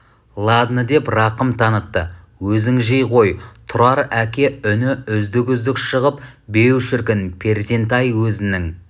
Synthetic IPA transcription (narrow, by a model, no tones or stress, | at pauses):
lˠɑd̪nəd̪e̞prɑqəmt̪ʰɑnət̪ːə | wɵzɪŋʒejqo̞jt̪ʰʊɾɑɾækʲe̞ʏnɪʏzd̪ɪkʲʏzd̪ɪkʃəʁəpbe̞wʃɪɾkʲɪnpʰe̞ɾze̞nt̪ɑjwɵzɪnɪŋ